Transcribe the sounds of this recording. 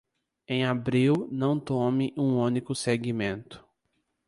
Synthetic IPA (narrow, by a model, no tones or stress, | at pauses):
ẽj̃abɾiwnɐ̃w̃t̪õmɪʔũũnikʊseɡimẽnt̪ʊ̥